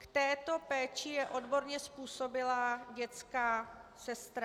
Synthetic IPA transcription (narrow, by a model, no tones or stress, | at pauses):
kt̪ɛːt̪o̞pɛːt͡ʃɪjɛʔo̞dbo̞ɾɲɛspuːso̞bɪlaɟɛt͡skaːsɛst̪ɾa